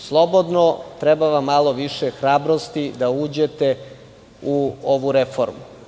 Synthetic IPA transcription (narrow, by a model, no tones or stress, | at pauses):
slˠo̞bo̞d̪not̪ɾɛbaʋamːalˠo̞ʋiʃexɾaːbɾost̪id̪auːd͡ʑet̪e | uoʋuɾefo̰ɾmu